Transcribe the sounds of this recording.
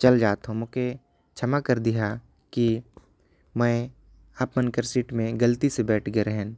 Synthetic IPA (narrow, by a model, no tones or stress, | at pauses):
t͡ʃɐld͡ʒaːt̪ɦõmʊke | t͡ʃʰɐmakəɾd̪iɦa | ki | mɛ̃ | aːpmənkəɾsiːʈmẽɡɐlt̪isebɛːʈʰɡeɾɛɦɛ̃n